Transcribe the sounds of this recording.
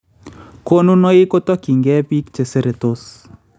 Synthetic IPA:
ko˦nu˦no˦ɪ˦ko˦tɔ˦ki˨ŋɡɛ˦bi˦kt͡ʃe˨se˦ɾe˨t̪o˦s

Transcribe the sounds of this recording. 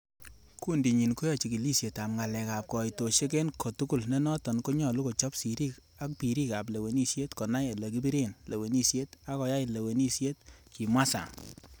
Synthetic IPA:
ku˦ndi˨ɲi˨nku˦jɔ˦t͡ʃi˨ki˨li˦sje˨ta˨mŋa˨lɛ˨ka˨p̚kɔ˨jto˨ʃe˦ke˦nkɔ˨tu˦ku˦˨lnɛ˦nɔ˦tɔ˨nko˦ɲɔ˨lu˦ko˨t͡ʃɔ˦psi˨ɾi˦˨k | a˦k̚pi˨ɾi˦ka˨p̬le˨we˨ni˦sje˦tkɔ˨na˦je˨le˨k̬i˦bi˦ɾe˦nle˨we˨ni˦sje˦ta˦kɔ˨ja˦i˨le˨we˨ni˦sje˦t̚ki˨mwa˦sa̰˨ŋ

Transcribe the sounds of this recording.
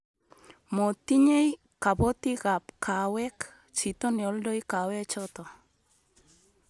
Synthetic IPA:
mo˨ti˦ɲe˦j | ka˨bɔ˦ti˦ɣa˨pkʰa˨wɛ˦k | t͡ʃi˨t̪ɔ˦nɪɔ˨ldɔ˦jka˨wɛ˦t͡ʃɔt̪ɔ˨

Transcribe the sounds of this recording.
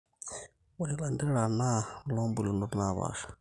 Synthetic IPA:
wu˨i˨la˨ndɛ˦ɺa˨na˦lɔ˦mbu˨li˨ndu˦ɾna˨βa̰ː˨ʃḁ˨

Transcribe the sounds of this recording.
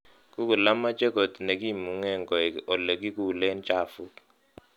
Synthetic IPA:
ku˦ku˨la˦ma˦t͡ʃɛ˦ko˨t̪ne˨ki˦˨mu˨ŋɛ˦ŋɡɔ˨ɔ˨le˨ki˦ku˦˨le˦nt͡ʃa˦˨fu˦

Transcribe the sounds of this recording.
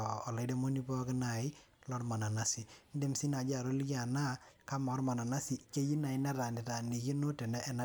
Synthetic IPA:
ɔ˨lɔ˨ɪ˦de˦mo˦ni˦pɔ˦kɪ˦na˨ɪ˦ | lɔ˦ɾma˨na˨na˦si˨n˦de˦msi˦na˨d͡ʒa˦˨ɾo˦lja˨na˦ka˦mɔ˨˦ɾma˨na˨na˦si˦ke˦ji˦na˨ɪ˦na˦ɾa˨nɪ˨ta˨ni˨je˦no˦tɛ˨nɛ˦ʔɛ˨na˦

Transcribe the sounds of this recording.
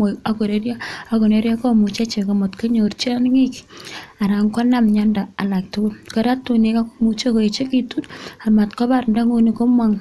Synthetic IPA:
a˦ko˨ɾe˦ɾja˦a˨ko˨ne˨˦ɾja˦ko˦mu˨t͡ʃa˦t͡ʃe˨ka˨mo˨tka˦ɲo˨rt͡ʃi˦a˦n˦ŋi˦ka˨ɾa˨ŋka˦na˦mɲa˦nda˨a˨la˨k̚tu˦ɡu˦lka˦ɾa˦tːu˨ne˨˦ka˦komut͡ʃe˦ko˨e˨t͡ʃe˦ki˨tu˦na˨ma˨tkɔ˦ba˦ɾnda˦ŋo˦ni˨ko˦mwa˦ŋ

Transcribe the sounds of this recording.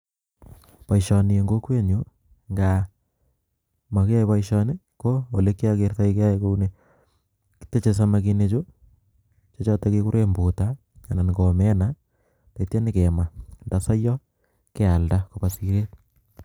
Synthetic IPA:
pa˨iʃɔ˨ni˨e˨ŋɡo˦kwe˦ɲu˦ | ŋɡa | ma˨ke˦a˦iβaiʃɔne˦ | ko˦o˨le˦ki˦ake˨rta˦ike˦a˦eko˦une | ki̥te˦t͡ʃe˨s̬ama˨kine˨t͡ʃo˦ | t͡ʃat͡ʃɔ˦takeku˦ɾe˦mbu˨ta˦ | a˨na˨nɪɡo˨mɛ˦na | ta˨tja˦nɪ˦kema˨nda˨sa˦jɔ˦ | ke˦a˨ldakopa˨siɾe˦

